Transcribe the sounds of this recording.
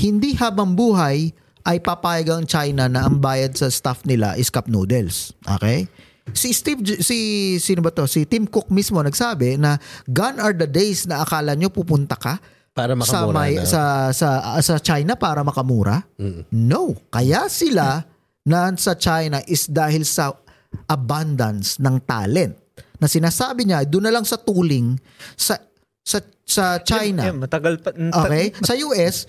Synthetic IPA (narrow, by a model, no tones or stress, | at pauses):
hɪnd̪ihaːbɐŋbuːɦɐj | ʔɐjpapaːjɐɡɐŋt͡ʃajnɐnɐʔɐŋbaːjɐd̪̚sɐst̪afnɪla̰ʔɪskɐp̚noːd̪ɛlsʔo̰ːkɛj | sist̪ivsisɪnʊbɐt̪o̞sɪt̪mkok̚mismo̞nɐɡsaːbɛnɐɡanɐɹd̪ɐd̪ɛjsnɐʔɐkaːlɐɲo̞puːpʊnt̪ɐkɐ | paɾɐɐsɐmasɐsɐsɐt͡ʃajnɐpaːɾɐmɐkɐmuːɾʔɐ̰no̞wkɐjasɪla | nansɐt͡ʃajnɐʔɪsd̪aːhɪlsɐ | ʔɐband̪ɐnsnɐŋt̪a̰ːlɛnt̪̚nɐsɪnaːsaːbɪɲad̪ʊnːɐlaŋsɐt̪uːlɪŋ | sɐ | sɐ | sɐt͡ʃajnɐt̪ɐɡlʔoːkɛjsɐjuːʔɛs